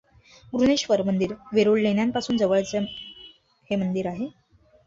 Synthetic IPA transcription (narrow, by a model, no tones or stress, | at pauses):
ɡɾuneɕʋəɾmənd̪iːɾʋeɾoɭlenjampasuːnd͡zəʋəɭt͡s | hemənd̪iɾaɦe